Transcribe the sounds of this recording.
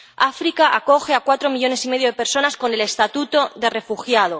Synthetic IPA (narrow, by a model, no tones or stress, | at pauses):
afɾikaʔako̞xeakwat̪ɾo̞miʎo̞ne̞sime̞ðjo̞ð̞e̞pe̞ɾso̞nasko̞ne̞le̞st̪at̪ut̪o̞ðe̞re̞fuxjað̞o